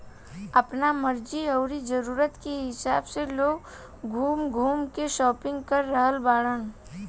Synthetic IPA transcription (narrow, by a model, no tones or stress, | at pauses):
ɐpnamɐɾd͡ʒiɔːɾid͡ʒɐɾuːɾət̪keɦɪsaːbseloːɡ | ɡʱuːmɡʱuːmkeʃɔːpɪ̃ŋɡkəɾːəɦəlbaːɽən